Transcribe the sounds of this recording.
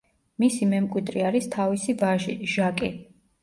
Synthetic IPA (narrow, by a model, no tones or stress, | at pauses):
misimɛmkʼwid̪ɾiaɾist̪ʰavisivaʒiʒakʼi